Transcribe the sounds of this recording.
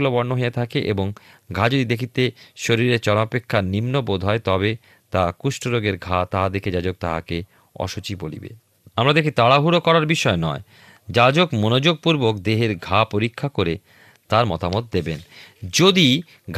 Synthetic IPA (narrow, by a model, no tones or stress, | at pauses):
lobɔɾnoɦeet̪ʰakeʔḛboŋɡʱad͡ʑod̪id̪ekʰit̪eʃoɾiɾeɾt͡ɕɔɾmapekʰːanimnobod̪ʱɦɔet̪ɔbe | t̪akuʃʈoɾoɡeɾɡʱat̪aɦad̪ekʰed͡ʑad͡ʑok̚t̪a̰ɦa̰ke | ɔ̰ʃot͡ɕibolḭbḛ | amɾad̪ekʰit̪aɽaɦuɾokɔɾaɾbiʃɔenɔe | d͡ʑad͡ʑokmonod͡ʑoɡ̚puɾbokd̪eɦeɾɡʱapoɾikʰːakoɾe | t̪aɾmɔt̪amot̪̚d̪ebend͡ʑod̪i | ɡʱ